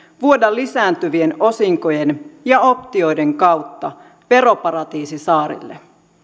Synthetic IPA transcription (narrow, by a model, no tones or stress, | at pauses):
ʋuo̞dɑlːisæːnt̪yʋie̞no̞siŋko̞je̞njɑo̞pt̪io̞jde̞ŋkɑwt̪ːɑ | ʋe̞ɾo̞pɑɾɑt̪iːsisɑːɾḭlːḛ